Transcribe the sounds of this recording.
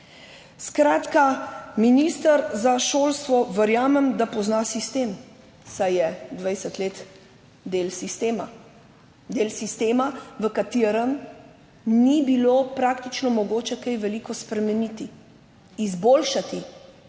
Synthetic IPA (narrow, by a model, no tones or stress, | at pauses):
skɾaːt̪kaminist̪əɾzaʃoːlst̪ʋɔʋəɾjaːmɛmd̪apɔznasist̪em | sajɛd̪ʋajsət̪leːt̪ | d̪eːlsist̪eːma | d̪eːlsist̪eːmaʋəkat̪iːɾəm | nibiloːpɾaːkt̪it͡ʃnɔmɔɡoːt͡ʃɛkɛjʋɛlikɔspɾɛmɛnit̪iː | zboːlʃat̪i